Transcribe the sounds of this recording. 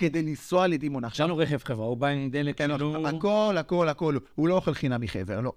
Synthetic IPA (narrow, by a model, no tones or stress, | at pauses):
ked̪ejlisoaled̪imonaχʃanuʁeχevχevʁaubainid̪elekanoakolako̞lako̞luhulojoχelχinabiχeveʁlo